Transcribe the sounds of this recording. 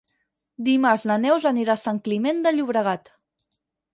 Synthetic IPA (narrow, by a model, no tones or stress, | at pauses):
d̪imaɾznənɛwzaniɾasaŋklimend̪əʎuβɾəɣ̞at̪